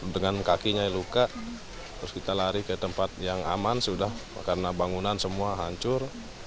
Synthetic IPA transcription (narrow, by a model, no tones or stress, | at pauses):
dəŋankakiɲailukaʔ | t̪ɾʊskit̪alaɾihkət̪əmpat̪̚jaŋa̰mansudahkarənabaŋunansəmuaɦaɲt͡ʃʊr